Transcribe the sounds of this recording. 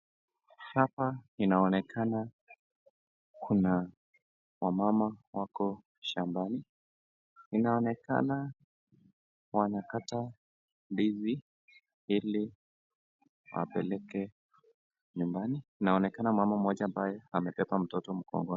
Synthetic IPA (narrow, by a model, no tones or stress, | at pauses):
hapainaɔnɛkʰana | kʰuna | wamamawakɔ | ʃambani | inaɔnɛka̰na | wanakata | bizi | ili | wa̰pɛlɛkɛ | ɲumbaniinaɔnɛkanamwamam̩ɔʄaːmbajɛamɛpɛpam̩tɔtɔm̩kɔ̰ŋɡɔ